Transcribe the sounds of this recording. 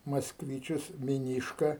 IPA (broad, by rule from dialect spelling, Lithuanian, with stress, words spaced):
mɐskˈʋʲiːt͡ʃʲʊs mʲɪˈnʲiːʃkɐ